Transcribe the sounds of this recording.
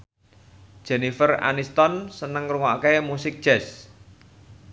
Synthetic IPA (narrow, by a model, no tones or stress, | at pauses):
d̥ʒ̥ɛnifəra̰nist̪ɔnsənəŋruŋakemusɪk̚d̥ʒ̥ɛs